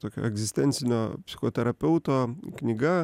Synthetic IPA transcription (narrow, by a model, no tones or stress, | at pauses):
t̪oːkʲo̰ɛɡzʲɪsʲt̪ʲɛnʲsʲɪnʲoːpʲsʲɪ̥xoːt̪ʲɛɾɐpʲɛʊt̪oːknʲɪɡɐ